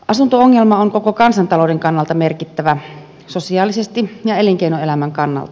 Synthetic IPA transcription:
ʔɑsunt̪ooŋːelmɑoŋkokokɑnsɑnt̪ɑloudeŋkɑnːɑlt̪ɑmerkit̪ːæʋæ | sosiɑːlisest̪ijɑeliŋkeinoelæmæŋkɑnːɑ̰lt̪ɑ̥

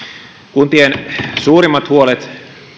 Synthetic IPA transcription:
kunt̪iensuːɾimːɑt̪huolet̪

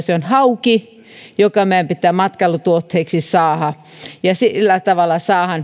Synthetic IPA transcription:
seonhɑuki | jokɑmæˑempit̪ːˑæːmɑt̪kɑlut̪uot̪heːˑksisɑːhɑ | jɑsilːæt̪ɑʋɑlːˑɑsɑːhɑn

